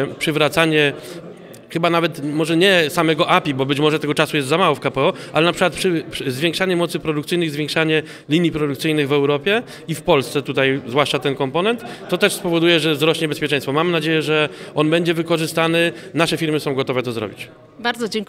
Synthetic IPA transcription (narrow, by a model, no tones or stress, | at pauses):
pʂɘvɾat̪saɲɛ | xɘbanavɛt̪mɔʐɛɲɛsamɛɡɔʔapʲibɔbɘt͡ɕmɔʐɛt̪ɛɡɔt͡ʂasujɛst̪zamawɔfkapɛɔʔalɛnapʂɘkwat̪pʂɘpzvʲjɛ̃ŋkʂaɲɛmɔt̪sɘpɾɔd̪ukt̪sɘɨjnɘɣzvʲjɛ̃ŋkʂaɲɛ | lʲiɲjipɾɔd̪ukt̪sɘjnɘɣvɛwɾɔpʲjɛ | ifpɔlst̪sɛt̪ut̪ajzvwaʂt͡ʂat̪ɛnkɔmpɔnɛnt̪ːɔt̪ɛʂspɔvɔd̪ujɛʐɛzɾɔɕɲɛbɛspʲɛt͡ʂɛ̃j̃st̪fɔmamnad͡ʑejɛʐɛʔɔnbɛɲd͡ʑɛvɘkɔʐɘst̪anɘnaʂɛfʲiɾmɘsɔ̃w̃ɡɔt̪ɔvɛt̪ɔzɾɔ̰bʲit͡ɕ | baɾd̪zɔd͡ʑɛŋk